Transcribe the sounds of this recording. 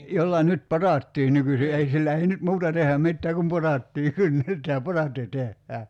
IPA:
jolːɑ nyt potɑˑtːiː nykysi ei silːæ ei nyt muːtɑ tehˑæ mitːæː kum potɑtːiː kynːetˑæː potɑtːi tehːæː

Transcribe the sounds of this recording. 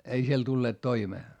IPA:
ei siel tulːeːt toimeː

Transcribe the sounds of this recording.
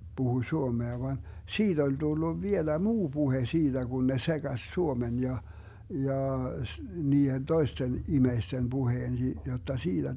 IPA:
b̥uhuĭ suomeɑ ʋɑn siːd̥ olʲ d̥ulːuʋ ʋielæ muː b̥uhe siːd̥æ ɡ̊un ne seɡ̊ɑs suomen jɑ jɑː s niːhen toisten imeisten b̥uheːn si jotːɑ siːd̥æ

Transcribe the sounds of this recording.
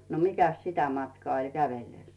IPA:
no mikæs sitæ mɑtkɑː olʲ kæʋelːeˑs

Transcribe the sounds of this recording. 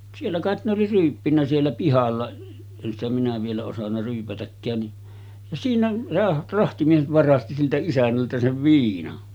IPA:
sielːæ kɑˑet ne oli ryːpːinːæ sielːæ pihɑlːɑ en stæ minæ ʋielæ osɑnːɑ ryːpætækːæːn ni jɑ siːnæ se rɑhtimies ʋɑrɑsti siltæ isænːæltæ seʋ ʋiːnɑn

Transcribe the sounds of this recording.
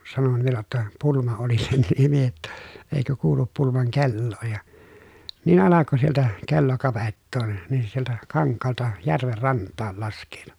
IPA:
sɑnon ʋielæ tːæ pulmɑ oli sen nimi jotːɑ eikø kuːlup pulmɑŋ kelːoː jɑ niːn ɑlɑko sieltæ kelːo kɑʋetːoː nin se sieltæ kɑŋkːɑːltɑ jærʋer rɑntːɑːl lɑskˑeːtu

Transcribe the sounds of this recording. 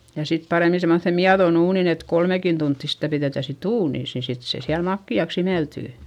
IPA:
jɑ sit pɑreˑmi semːoθe miɑðon uːnin et kolmekin tuntːi sitæ piðeˑtæ sit uːniˑs ni sit se siæl mɑkːiɑks imeltyˑ

